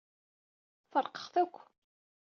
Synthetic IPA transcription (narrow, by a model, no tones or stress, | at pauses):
θəɾˤqə̥χθækʷː